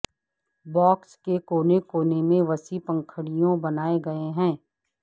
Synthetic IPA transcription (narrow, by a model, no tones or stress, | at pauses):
bɔːkskekoːnekoːnemẽʋɐsipɐ̃ŋkʰəɽijõbɐnaːeɡɐeɦɛ̃ː